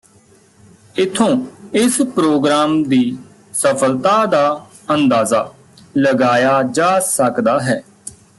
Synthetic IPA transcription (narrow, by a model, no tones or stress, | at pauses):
ɪt̪ʰːõːɪspɾoːɡɾaːmd̪iː | səpʰəlt̪aːd̪aː | ənd̪aːzaː | ləɡaːjaːd͡ʒaːsəkd̪aːɦɛː